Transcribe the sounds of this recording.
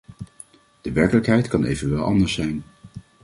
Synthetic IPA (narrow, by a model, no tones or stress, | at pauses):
d̥əʋɛɹkələkɦɛjtkɑnḛjvənʋɛlˠʔɑ̰ndəɹsɛjn